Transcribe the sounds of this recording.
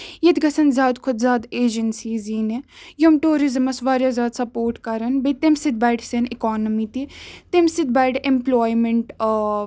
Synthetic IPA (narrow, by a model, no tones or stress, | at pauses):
jɐd̪ɡɐsɐnzʲjaːd̪kʰʊd̪zʲaːd̪eːd͡ʒənsiːziːnejomʈuːɾizəmɐsʋaːɾjaːzʲjaːd̪sɐpoːɾʈkɐɾɐnbet̪emsɪd̪̚baːɖsenɪkɔːnəmiːt̪it̪emsɪd̪̚baːɖemplɔːimeɳʈ